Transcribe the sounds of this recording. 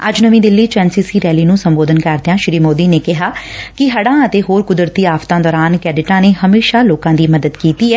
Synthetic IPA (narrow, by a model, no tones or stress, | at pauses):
ə̰d͡ʒnəʋĩːd̪ɪlːiːt͡ʃɛːnsiːsiːɾɛːliːnũːsəmboːd̪ənkəɾd̪jãːʃɾiːmoːd̪iːneːkɪɦaːkɪɦəɽãːət̪eːɦoːɾkʊd̪ɾt̪iːaːft̪ãːd̪ɔːɾaːnkɛːɖɪʈãːneːhəmeːʃaːloːkãːd̪iːməd̪əd̪kiːt̪iːɛː